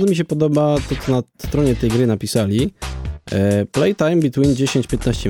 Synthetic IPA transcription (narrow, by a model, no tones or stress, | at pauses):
ɔmʲiɕ̬ɛpɔd̪ɔbat̪ɔt̪sɔnast̪ɾɔɲɛt̪ɛjɡɾɘnapʲisalʲi | plɛjt̪ajmbʲit̪wind͡ʑeɕeɲt͡ɕpʲjɛt̪̚naɕt͡ɕɛ